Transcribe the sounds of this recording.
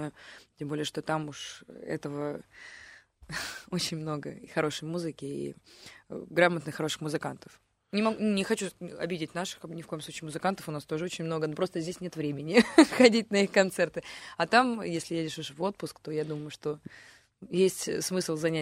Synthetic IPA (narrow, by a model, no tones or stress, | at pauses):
tʲembo̞lʲɪjəʂt̪o̞t̪amuʂɛ̰t̪əvə | o̞t͡ɕɪnʲmno̞ɡə̰ixɐɾo̞ʂəjmuzɨkʲɪḭ | ɡɾamət̪nɨxɐɾo̞ʂɨ̥xmʊzɨkant̪ə̥f | nʲɪmɐɡʲnʲɪxɐt͡ɕuɐ̰bʲɪdʲɪtʲnaʂɨ̥xnʲɪfko̞jəmsut͡ɕɪːmʊzɨkant̪ə̥fʊnast̪o̞ʐɨo̞t͡ɕɪnʲmno̞ɡənopɾo̞st̪əzʲdʲesʲnʲe̞t̪vɾʲemʲɪnʲɪxɐdʲit̚ʲnɐixkɐnt̪sɛrt̪ɨɐt̪amjesʲlʲɪjedʲɪʂɨʂvo̞t̪̚pʊskt̪o̞jad̪uməjʊʂt̪o̞ | jesʲtʲsmɨslˠzɐnʲæ